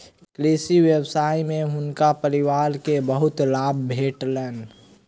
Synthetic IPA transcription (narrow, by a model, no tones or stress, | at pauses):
kleːsiwjebsaːimẽɦʊnkapəɾɪwaːɾkebəɦʊt̪laːbbʱeːʈlɛːn